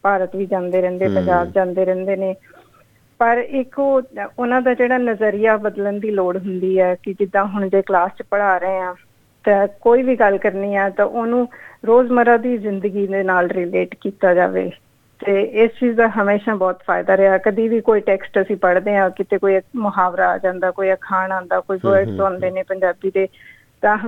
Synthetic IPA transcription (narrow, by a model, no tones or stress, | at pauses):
paːɾət̪ʋiːd͡ʒãːnd̪eːɾɛ̃ːnd̪eːpə̃ɲd͡ʒaːbd͡ʒãːnd̪eːɾɛ̃ːnd̪eːneː | pəɾɪkoːʊnãːd̪aːd͡ʒeːɽaːnəzəɾijaːbəd̪lənd̪iːloːɽɦʊnd̪iːɛːkɪd͡ʒɪd̪ːãːɦʊɳ̃d͡ʒeːklaːst͡ʃpəɽaːɾəẽːãː | t̪ɛ̃ːkoːiːʋiːɡəlkəɾniːɛːt̪ãːʔoːnũːɾoːzməɾaːd̪iːzɪnd̪əɡiːd̪eːnaːlɾɪleːʈkiːt̪aːd͡ʒa̰ːʋḛː | t̪eːɪst͡ʃiːzd̪aːɦəmeːʃãːbɔːt̪pʰa̰ːɪd̪aːɾɛaːɛːkəd̪iːʋiːkoːiːʈɛːksʈəsĩːpəɽd̪eːãːkɪt̪eːkoːimʊɦaːʋɾaːa̰ːd͡ʒãːnd̪aːkoːiəkʰaːnãːnd̪aːkoːiːʋəɾɖsãːnd̪eːneːpəɲd͡ʒaːbiːd̪eː | t̪ãː